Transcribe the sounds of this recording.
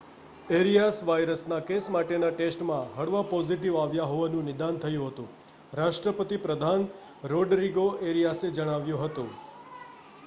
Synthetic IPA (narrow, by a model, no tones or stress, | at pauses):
eɾijasʋajɾəsnakesmaʈenaʈesʈmãɦəɽʋapɔziʈiʋaʋjaɦoʋanũnɪd̪ant̪ʰəjũɦət̪ṵ̃ | ɾaʃʈɾəpət̪ipɾəd̪ʱan | ɾoɖɾiɡoʔeɾijased͡ʒəɽ̃aʋjũɦət̪ṵ̃